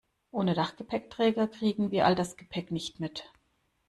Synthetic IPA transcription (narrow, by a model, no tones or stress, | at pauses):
ʔoːnədaχɡ̥əpʰɛk̚tʁ̥ɛːɡɐkʁ̥iːɡŋ̩viːɐʔaldasɡ̥əpʰɛknɪçtmɪt